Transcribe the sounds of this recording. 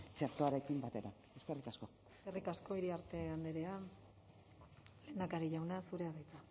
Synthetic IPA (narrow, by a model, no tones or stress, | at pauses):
t͡ʃeɾt̪oaɾe̞kimbat̪e̞ɾa | e̞ske̞rikasko̞ | eskerikasko̞iɾiaɾt̪e̞and̪eɾe̞a | le̞ːnakaɾiʝawnasuɾe̞aβajt͡s̪a